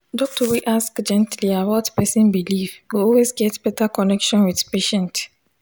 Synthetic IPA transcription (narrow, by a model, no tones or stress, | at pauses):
dɔk̚tɔwiʔaskd͡ʒɛ̃ntliawɔtpɛsĩnbilivɡoɔlwezɡɛtb̥ɛtakɔnɛkʃɔ̃nwiðpeʃɛ̃nt